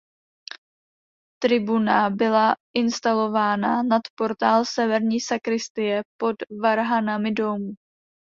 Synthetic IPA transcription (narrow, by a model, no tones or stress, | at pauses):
t̪ɾɪbunabɪlaʔɪnst̪alo̞vaːnanat̪po̞ɾt̪aːlsɛvɛɾɲiːsakɾɪst̪ɪjɛpo̞dvaɾɦanamɪdo̞muː